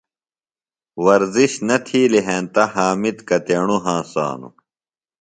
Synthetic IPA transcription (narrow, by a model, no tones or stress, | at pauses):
wɐɾziɕnɐt̪ʰiːleɦẽːnt̪ɐɦaːmit̪kɐt̪eːɳ̃uɦãːsa̰ːnṵ